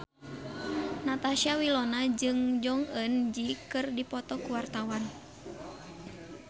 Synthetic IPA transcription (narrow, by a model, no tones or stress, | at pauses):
nat̪aʃiawilɔnad͡ʒɨŋd͡ʒɔŋənd͡ʒikɨrdipɔt̪ɔkuwart̪awan